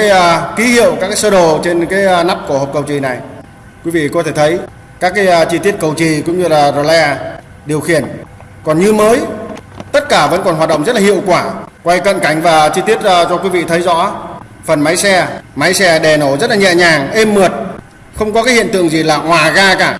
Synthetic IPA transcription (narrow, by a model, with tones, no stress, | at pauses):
jki˨˦hḭ˧˨əwkaː˦˥kːsəː˧ɗo˨˩t͡ɕe˧nkaː˨˦jna˦˥p̚ku˧˩əhp̚kə˨˩wt͡ɕi˨˩na˨˩j | kwi˨˦vḭ˧˨kɔ˨˦t̪ʰe˧˩t̪ʰə˨˦j | kaː˦˥kːaː˨˦jt͡ɕi˧t̪i˦˥ət̚kə˨˩wt͡ɕi˨˩kʊ̰˧˥ŋ͡mɲɨ˧laː˨˩zo˨˩lɛ˧ | ɗi˨˩əwxi˧˩ən | kɔ˨˩nɲɨ˧məː˨˦jt̪ə˦˥t̚kaː˧˩və̰˧˥nkɔ˨˩nɦwa˨˩t̚ɗə̰˧˨wŋ͡mzə˦˥t̚laː˨ɦḭ˧˨əwkwaː˧˩kwa˧jkə̰˧˨nka˧˩jŋ̟vaː˨˩t͡ɕi˧t̪i˦˥ət̚ːt͡ɕɔ˧kwi˨˦vḭ˧˨t̪ʰə˨˦jzɔ̰˧˥ | fə˨˩nma˨˦jsɛ˧ma˨˦jsɛ˧ɗɛ˨˩no˧˩zə˦˥t̚laː˨ɲɛ̰˧˨ɲaː˨˩ŋʔe˧mːɨ˨˩ət̚ | xə˧wŋ͡mkɔ˨˦kaː˨˦jhḭ˧˨ənt̪ɨ̰˧˨əŋzi˨˩laː˨˩ŋwaː˨˩ɣaː˧kaː˧˩